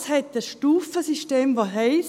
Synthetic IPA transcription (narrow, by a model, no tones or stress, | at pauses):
shɛt̪ːəsʃtuːfəsiʃteːmʋoɦɛɪs